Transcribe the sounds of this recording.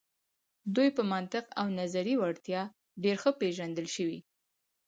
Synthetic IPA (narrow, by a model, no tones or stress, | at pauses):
d̪ujpəmant̪ɪqawnazaɾiwaɽt̪jɑ | ɖeɾxəpeʒand̪əlʃəwi